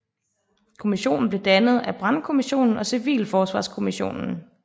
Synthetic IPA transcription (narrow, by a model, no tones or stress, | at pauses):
kʰo̝miɕo̝̰ːn̩b̥le̝d̥ænəð̞̩ˠæb̥ʁɑ̈nkʰo̝miɕo̝̰ːnn̩ɒ̽siʋḭːlfɒːsʋɑ̰̈ːskʰo̝miɕo̝̰ːnn̩